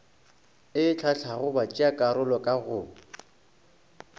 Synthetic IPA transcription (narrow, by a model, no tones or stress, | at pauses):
ɪt͡ɬʰat͡ɬʰaɣʊbat͡ʃʼiakʼaɾʊlɔkʼaɣʊ